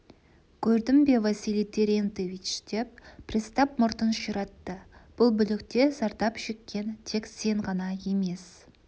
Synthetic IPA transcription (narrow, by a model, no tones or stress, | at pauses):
kʲʰɵɾd̪ɪmbe̞vasilet̪ːe̞ɾent̪evit͡ʃd̪̥e̞p̚pʰrist̪ɑp̚mʊɾt̪ənʃəɾɑt̪ːəb̥ʊlˠbʏlɪkt̪e̞sɑɾt̪ɑpʃekʲːe̞nt̪ʰe̞kse̞ɴʁɑnɑje̞me̞s